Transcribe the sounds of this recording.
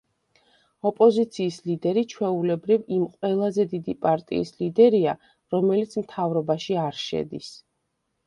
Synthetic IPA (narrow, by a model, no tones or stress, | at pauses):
ɔpʼɔzit̪sʰiːslid̪ɛɾit͡ʃʰwɛulɛbɾivimqʼwɛlˠazɛd̪id̪ipʼaɾt̪ʼḭːslid̪ɛɾia | ɾɔmɛlit̪sʰmt̪ʰavɾɔbaʃiaɾʃɛ̰d̪is